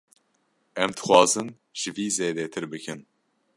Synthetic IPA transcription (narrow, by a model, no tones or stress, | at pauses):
ɛmd̪ɨ̥xʷwɑːzɨn | ʒ̥ɨviːzeːd̪ɛt̪ʰɨɾbɨkʰɨn